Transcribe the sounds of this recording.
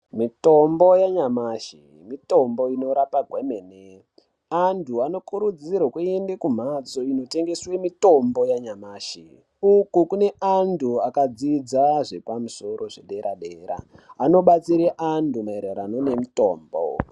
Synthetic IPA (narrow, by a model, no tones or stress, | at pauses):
mito̞mbojaɲamaʃḭ | mito̞mbo̞ino̞ɾapaɡʱwemene | andʰʱuano̞kuɾud͡zirokuiendekum̤at͡so̞ino̞te̞ŋɡe̞swe̞mito̞mbo̞jaɲamaːʃḭ | ukukune̞ʔandʰʱuakad͡zid͡zaʐe̞pamuso̞rʔo̞ʐeɗe̞ɾʔaɗeːɾa̰ːno̞ɓat͡siɾeʔandumaeɾeɾano̞ne̞mito̞̰ːmbo̰